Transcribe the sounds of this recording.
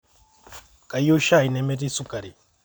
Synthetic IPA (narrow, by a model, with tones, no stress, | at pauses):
kʼa˨jo˦ʃa˦˨i˨nɛ˨mɛ˦ti˦su˦ka˨ɾi˨